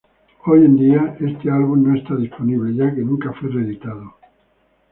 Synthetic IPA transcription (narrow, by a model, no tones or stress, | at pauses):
o̞je̞nd̪iae̞st̪e̞alβ̞unnoest̪að̞ispo̞niβle̞ʝake̞nũŋkafwereðit̪aðo